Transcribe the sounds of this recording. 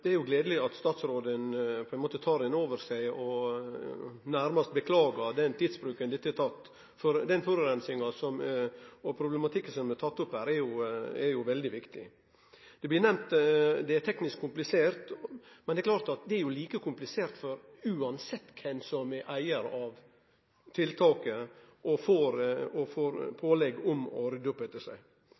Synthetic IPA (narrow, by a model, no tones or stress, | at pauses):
d̪̥ɛæɾjʊɡleːd̪əlɪɑt̪st̪ɑːt̪sɾoːd̪ənpʰɔɛnmoːt̪ət̪ʰɑːɾɪnoːʋəɾsæɪɔ | næɾmɑst̪bəkʰlɑːɡɑd̪ɛnt̪ʰiːd̪sbɾʉːkənd̪ɪt̪ːɛt̪ʰɑt̪ː | fɔɾd̪ɛnfɔɾʉɾɛnsɪŋɑsɔmɔpʰɾʊblɛmɑt̪ʰɪkːəsɔmɛt̪ʰɑt̪ːʊphæːɾɛɾjʊɛɾjʊʋɛld̪ɪʋɪkt̪ɪ̰ | d̪̥ɛblɪɾnɛmt̪d̪ɛæt̪ʰɛknɪskkʰːʊmplɪseːɾt̪mɛnɛklɑːɾt̪ɑt̪̚d̪ɛæɾjʊliːkəkʰʊmplɪseːɾt̪fɔɾ | ʉːɑnsɛt̪ːkʰɛnsɔmɛʔæɪəɾɑʋ | t̪ʰɪlt̪ʰɑːkəʔɔfoːɾɔfoːɾpʰoːlɛɡːɔmɔ̰ɾɪd̪ʊpɛt̪ːəʂæ̰ɪ